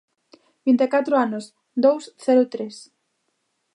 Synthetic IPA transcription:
bint̪ekat̪ɾʊanʊs | d̪owsθɛɾʊt̪ɾes

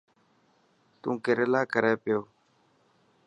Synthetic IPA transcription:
t̪ũːkɪɾelaːkəɾɛːpɪjoː

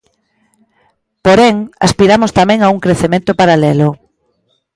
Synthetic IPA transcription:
poɾɛŋa̰spiɾamʊst̪amɛ̃ŋauŋkɾeθemẽnt̪ʊpaɾalɛlʊ

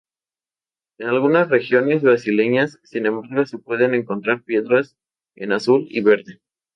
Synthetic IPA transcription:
enalɣunasre̞xjo̞ne̞zβɾasile̞ɲasːinẽ̞mbaɾɣose̞pwe̞ðe̞ne̞ŋko̞nt̪ɾaɾpje̞ðɾas | ḛnasulḭβe̞ɾðe̞

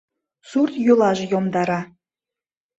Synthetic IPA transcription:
surt̪julˠɑʒĕjomd̪ɑɾɑ

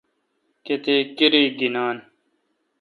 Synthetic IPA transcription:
ket̪eːkiɾiːɡinaːn

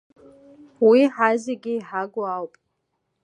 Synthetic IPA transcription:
wiħaziɡʲɪːħaɡoawpʼ

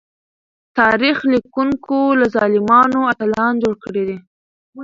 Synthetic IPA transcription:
t̪ɑɾixlikuŋkolazɑlɪmɑnoat̪alɑnd͡ʒoɽkəɽed̪e

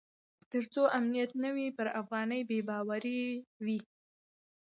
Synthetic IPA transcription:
t̪əɾt͡soʔamnijat̪nəwipəɾafɣɑnəjbebɑwaɾiwi

